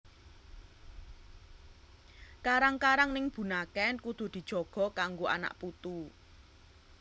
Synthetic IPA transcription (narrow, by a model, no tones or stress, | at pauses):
kaɾaŋkaɾaŋnɪŋb̥ṳnakɛnkud̪̥ṳd̪̥i̤d̥ʒ̥ɔ̤ɡ̥ɔ̤kaŋɡoʔa̰na̰ʔput̪u